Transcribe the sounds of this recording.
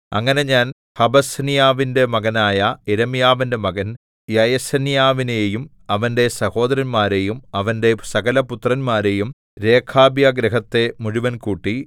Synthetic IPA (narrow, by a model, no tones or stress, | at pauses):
ɐ̰ŋːɐne̞ɲaːn | hɐbɐsɐnijaːʋinde̞mɐɡɐnaːjɐeɾɐmijaːʋinde̞mɐɡɐn | jɐjɐsɐnjaːʋinejum | ɐʋɐnde̞sɐho̞ːd̪ɐɾɐnmaːɾe̞jumɐʋɐnde̞sɐɣɐlɐput̪rɐnmaːɾe̞jum | ɾe̞ːkʰaːbjaɡɾeɦɐt̪ːe̞muɻiʋɐnkuːʈːi